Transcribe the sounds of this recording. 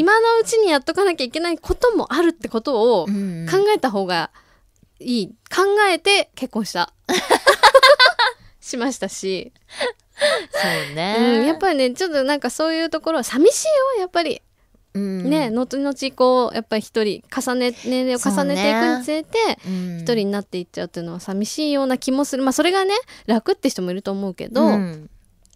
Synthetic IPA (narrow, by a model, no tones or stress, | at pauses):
imano̞ɯ̟t͡ɕiɲ̟ijat̪ːo̞kanakʲaike̞naikʰo̞t̪o̞mo̞̰ʔaɾɯ̟t̪ːe̞ko̞t̪o̞ːkãŋɡae̞t̪aɦo̞ːɡa | iːkʰãŋɡae̞t̪e̞ke̞kːõ̞ɰ̃ɕi̥t̪a̰ | ɕimaɕi̥t̪aɕi | oneɯ̟̃ɴjapːaɾʲine̞t͡ɕo̞t̪ːo̞nãŋkaso̞ːjɯ̟ːt̪o̞ko̞ɾo̞samʲiɕiːojapːaɾʲḭ | ne̞no̞t̪ɲno̞t͡ɕiko̞ːjʔa̰pːaɾʲiçi̥t̪o̞ɾʲikasanenẽ̞nɾeːokasane̞t̪e̞ikkɯ̟ɲ̟it͡sɨe̞t̪e̞çi̥t̪o̞ɾʲiɲ̟inat̪ːe̞itt͡ɕːaɯ̟t̪ːoiɯ̟no̞βasamʲiɕiːjo̞ːnakʲimo̞sɨɾɯ̟maso̞ɾe̞ɡane̞ɾakɯ̟t̪ːe̞çi̥t̪o̞mo̞iɾɯ̟t̪o̞ːmo̞ɯ̟ke̞̰d̪o̞